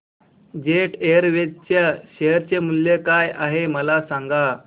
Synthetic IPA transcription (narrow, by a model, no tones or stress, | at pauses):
d͡ʑeʈeəɾʋed̪t͡ɕaɕejəɾt͡ɕemuljekajaɦeməlasaŋɡa